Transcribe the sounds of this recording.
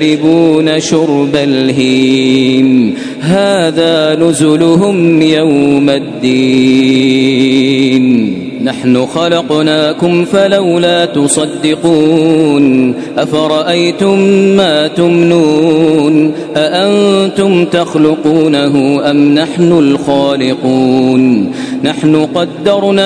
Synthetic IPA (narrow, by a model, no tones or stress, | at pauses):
ɾɪbuːnaʃʊɾbalɦi | n | ɦaːðaːnʊzʊlʊɦʊmjawmad̪ːiː | n | naħnʊxɑlɑqnaːkʊmfalawlaːt̪ʊsˤɑd̪ːɪquːn | ʔafaɾˤɑʔajt̪ʊmːaːt̪ʊmnuːn | ʔaʔant̪ʊmt̪axlʊquːnaɦʊʔamnaħnʊlxaːlɪquːnːaħnʊqɑd̪ːɑɾˤnaː